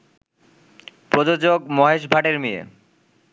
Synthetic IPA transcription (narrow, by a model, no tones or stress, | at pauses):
pɾod͡ʑod͡ʑoɡ̚mɔɦeʃbʱaʈeɾmijḛ